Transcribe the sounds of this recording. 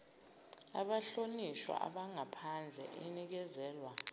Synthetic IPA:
aɓaɬoniʃwa̰ʔa̰ɓaŋapʰand͡ɮʱɛ̰ʔɛnik̬ɛzɛːlwa

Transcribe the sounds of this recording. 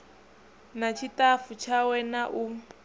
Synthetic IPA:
nat͡ʃʰitʼafut͡ʃʰawɛnaʔu

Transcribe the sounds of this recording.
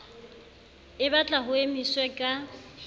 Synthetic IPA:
ɪbat͡ɬʼaɦʊemiswɛkʼa

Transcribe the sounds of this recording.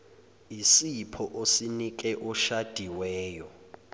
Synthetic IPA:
isipʰɔʔosinik̬ʼɛʔɔʃad̥ʱiwɛːjɔ

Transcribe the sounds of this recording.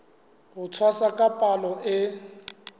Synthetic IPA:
ɣʊt͡sʰwasakʼapʼalɔɪ

